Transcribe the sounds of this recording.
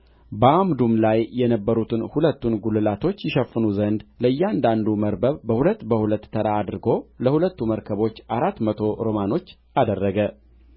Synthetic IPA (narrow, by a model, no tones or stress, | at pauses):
bəamd̪umlajːɛnəbːəɾut̪ʰɨnhulət̪ːunɡulɨlat̪ʰo̞t͡ʃːjɪʃəfːɨnuzənd̪ləɨjːɛand̪and̪uməɾbəβbəhulət̪ːbəhulət̪ːʰəɾaːd̪ɨɾɨɡo̞ləhulət̪ːuməɾkʰəβo̞t͡ʃːʔaɾat̪ːmət̪ʰo̞ɾo̞mano̞t͡ʃː | ʔad̪ərːəɡə